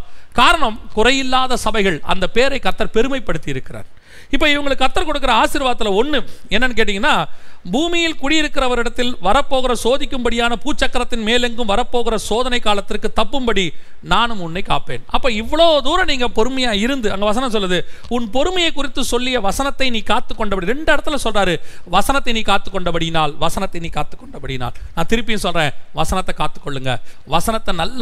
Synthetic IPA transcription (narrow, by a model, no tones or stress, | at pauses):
kaːɾɐɳɐmkʊrɐjɪlːaːðɐsɐbɐɪɣɐɭɐ̰nd̪ɐpeːɾɐɪkːɐɾt̪ːɐɾpɛɾɯmɐɪpːɐɽɯt̪ːɪjɪɾɯkːɪra̰ːn | ɪpːoːɪʋɐŋɡɐɭɯkːɐɾt̪ːɐɾkɔɽɯkːɪɾɐaːsɪɾʋaːɐt̪ːɪlɐɔnːɯɛnːɐnːɯkeːʈ̬ːɪŋɡɐnːaːbuːmɪjɪlkʊɽɪjɪɾɯkːɪɾɐʋɐɾɪɽɐt̪ːɪlʋɐɾɐpːoːɣɪɾɐsoːðɪkʲːɯmbɐɽɪjaːnɐpuːt͡ʃːɐkːɐɾɐt̪ːɪnmeːlɛŋɡɯmʋɐɾɐpːoːɣɪɾɐsoːðɐnɐɪkːaːlɐt̪ːɪrkɯt̪ːɐpːɯmbɐɽi | naːnɯmʊnːɐɪkːaːpḛːnʔɐpːoːɪʋːɐɭoːðuːɾɐniːŋɡɐpɔɾɯmɐjaːɪɾɯnd̪ɯɐŋɡɐʋɐs̬ɐnɐms̬ɔlːɐðɯʊnpɔɾɯmɐjɐɪkːʊrɪt̪ːɯsɔlːɪjɐʋɐsɐnɐt̪ːɐɪniːkaːt̪ːɯkːɔɳɖɐpɐɽiɾɛɳɖɯɐɽɐt̪ːɯlsɔlraːɾɯʋɐsɐnɐt̪ːɐɪniːkaːt̪ːɯkːɔɳɖɐpɐɽɪjnaːlʋɐsɐnɐt̪ːɐɪniːkaːt̪ːɯ̥kːɔɳɖɐpɐɽɪjna̰ːlnãːt̪ɪɾɯpːɪjnsɔlrẽːʋɐsɐnɐt̪ːɐkːaːt̪ːɯ̥kːɔɭːɯŋɡɐ̰ʋɐsɐnɐt̪ːɐnɐlː